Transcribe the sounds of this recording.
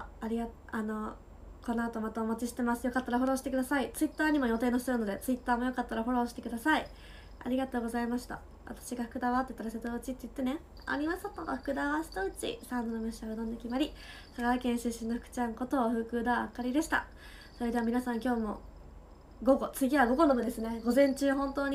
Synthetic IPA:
aɾʲiɡa | ano̞ | ko̞nːoat̪omat̪aomat͡ɕiɕi̥t̪e̞masɨ̥jo̞kat̪ːaɾaɦo̞ɾo̞ːɕi̥t̪ekɯd̪asait͡sɨit̪ːaːɲ̟imo̞jo̞t̪e̞ːnosɨɾɯ̟no̞d̪e̞t͡sɨit̪ːaːmo̞jo̞kat̪ːaɾaɦo̞ɾo̞ːɕi̥t̪e̞kɯ̟d̪asai | a̰ɾʲiɡat̪o̞ːɡo̞zaimaɕi̥t̪a̰ | βa̰t̪ḁɕiɡaɸɯ̟̥kɯ̟d̪aβat̪ːet̪ːaɾaset̪oɯt͡ɕit̪ːeɯ̥t̪ːe̞ne̞ | a̰ɾʲimasat̪ːot̪ɸɯ̥kɯ̟d̪aβaɕi̥t̪oɯ̟t͡ɕḭsãnd̪onomʲeɕaɡɯd̪õnd̪ekʲimaɾʲi | saɡaɾakẽ̞ɰ̃ɕẽɕĩnːoɸɯ̟kɯ̟̥t͡ɕãŋko̞t̪o̞ːɸɯ̟ːkɯ̟ːd̪aa̰kːaɾʲid̪e̞ɕi̥t̪a̰ | so̞ɾe̞d̪e̞amʲinasãŋkʲo̞ːmo̞̰ | ɡo̞ɡo̞t͡sɨɡʲiβaɡo̞ɡo̞nobɯ̟d̪e̞sɨne̞ɡo̞zẽ̞ɲ̟t͡ɕɨːɦõ̞nt̪o̞ːɲ̟i

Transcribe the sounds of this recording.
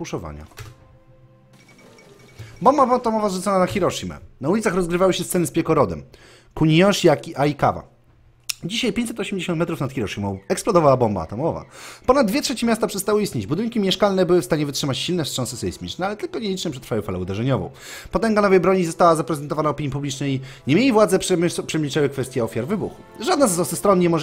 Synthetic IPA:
puʂɔva̰ɲa̰ | bɔmbavɔt̪ɔmɔvazʐut̪ɔnanaxʲiɾɔʂɨmɛ̰naulʲit̪saxɾɔzɡɾɘvawɘɕɛst̪sɛnɘspʲɛkɔɾɔd̪ɛ̰m | kuɲiɔʂiakʲiaika̰va̰ | d͡ʑiɕajpʲeɲt͡ɕsɛt̪ɔɕɛmd͡ʑeɕɔ̃nt̪mɛt̪ɾufnat̪xʲiɾɔʂɨmɔ̃w̃ɛksplɔd̪ɔvawabɔmba̰ːt̪ɔmɔva̰pɔnad̪d̪vʲjɛtʂɛt͡ɕɛmʲjast̪apʂɛst̪awɘist̪ɲed͡ʑbud̪ɘŋkʲimʲjɛʂkalnɛbɘwɘfst̪aɲɛvɘtʂɘmat͡ɕɕilnɛstʂɔ̃ñsɛsɛismʲit͡ʂnɛalɛt̪ɘlkɔɲelʲit͡ʂnɛpʂɛt̪ɾfawɘfalɛud̪ɛʐɛɲɔvɔ̰̃w̃pɔt̪ɛŋɡanɔvɛjbɾɔɲizɔst̪awazapɾɛzɛnt̪ɔvanaɔpʲiɲːipublʲit͡ʂnɛjɲɛmʲjelʲivwad̪zɛpʂɛmʲit͡ʂɛwɘkfɛst̪jɛɔfʲjaɾvɘbṵx | ʐad̪nazzɔsst̪ɾɔnːɲɛmɔʐ

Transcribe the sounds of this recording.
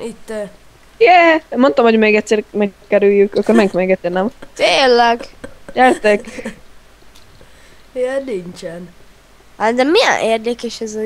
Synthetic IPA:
it̪ːɛ | jɛmo̞nt̪omhoɟmeːɡɛt̪sɛːrmɛkːɛɾyjːykɒkːoɾmɛkiŋkmeːɡɛt̪sːeːrnɛmt̪eːlːɛɡjɛrt̪ɛk | jɛniɲt͡ʃɛn | ad̪ɛmijɛ̰nʔeːrd̪ɛkɛʃɛz

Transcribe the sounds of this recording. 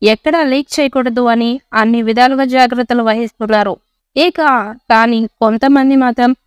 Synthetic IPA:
ɛkːɐɽɐlijk̚t͡ʃɛːjɐkɔɽɐd̪uɐniɐnːiʋid̪ʱaːluɡɐd͡ʒaːɡɾɐt̪ːɐluʋɐɦist̪unːaːɾu | ekaːkaːnikont̪ɐmɐnd̪imaːt̪ɾɐm

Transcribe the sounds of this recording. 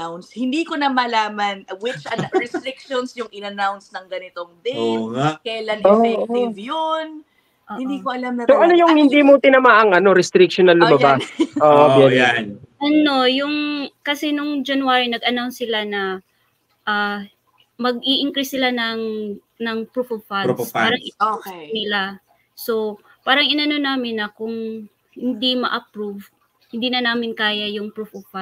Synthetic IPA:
awnshɪnd̪ikonɐmɐlaːmɐnwɪt͡ʃɐɹɛst̪ɾɪk̚ʃonsjʊŋʔɪnɐnawnsnɐŋɡɐnɪt̪oŋd̪ɛskɐjlanoːɛɪvjon | ʔohɪnd̪ikoʔɐlamnɐsoʔɐnojʊŋhɪnd̪iːmot̪ɪnɐmaːʔɐŋɐno̞ɾɛst̪ɾɪk̚ʃonɐlːʊmɐbaʔoːʔobjɛnʔɐno̞jʊŋkɐsɛnʊŋd͡ʒɐnwaːɹinɐɡʔɐnawnsɪlanɐ | ʔaː | mɐɡiʔɪŋkɾisɪlanɐŋ | nɐŋpɹuvovfalaːɾɐŋʔɪnɪla | so̞ | paːɾɐŋɪnɐno̞naːmɪnːɐkʊŋ | hɪnd̪imɐ̰ʔɐpɹuv | hɪnd̪iːnɐnaːmɪnkaːjɐjʊŋpɹufovfa

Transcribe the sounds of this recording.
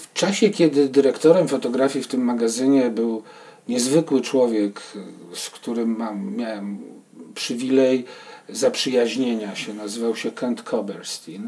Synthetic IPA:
ft͡ʂaɕɛkʲɛd̪ɘd̪ɘɾɛkt̪ɔɾɛmfɔt̪ɔɡɾafʲjift̪ɘmːaɡazɘɲɛbɘw | ɲɛzvɘkwɘt͡ʂwɔvʲjɛkskt̪uɾɘmːamːʲjawɛm | pʂɘvʲilɛjzapʂɘjaʑɲeɲaɕɛnazɘvawɕɛkʰɛnt̪kʰɔbɛɾst̪ʲin

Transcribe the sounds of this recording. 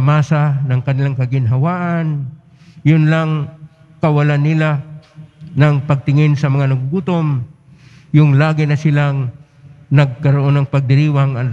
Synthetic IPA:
maːsanɐŋkɐnɪlaŋkɐɡɪnɦɐwaːʔan | jʊnlaŋ | kɐwalanːɪla | nɐŋpɐɡ̚t̪ɪŋɪnsɐmɐŋanɐɡuɡut̪om | jʊŋlaːɡɪnɐsɪlaŋ | nɐɡ̚kɐɾoʔo̞nːɐŋpɐɡ̚d̪ɪɾiːwaŋɐ

